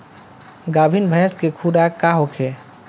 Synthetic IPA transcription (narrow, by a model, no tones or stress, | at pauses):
ɡabʱinbʱɛ̃skekʰuɾakaɦokʰe